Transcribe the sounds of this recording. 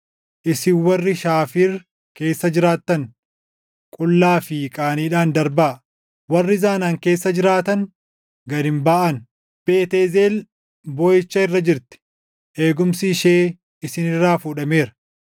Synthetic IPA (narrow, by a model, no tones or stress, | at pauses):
ʔɪsɪwɐrːɪʃaːfiːɾ | ke̞ːsːɐd͡ʒɪɾaːt̪ːɐŋ | kʼʊlːaːfɪkʼaːniːᶑaːnd̪ɐɾbɐ | wɐrːɪzaːnaːŋke̞ːsːɐd͡ʒɪɾaːt̪ɐŋ | ɡɐd̪ɪmbaːʔɐn | b̥e̞ːt̪eːze̞ːl | boːjɪt͡ʃːɐɪrːɐd͡ʒɪɾt̪ɪ̥ | ʔeːɡʊmsiːʃe̞ː | ɪsɪnɪrːaːfuᶑɐme̞ːɾɐ